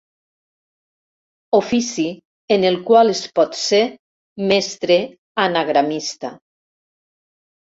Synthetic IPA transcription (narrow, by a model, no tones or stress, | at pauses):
ofisi | enelˠkwalespɔt̪se | mɛst̪ɾe | anaɣɾamist̪a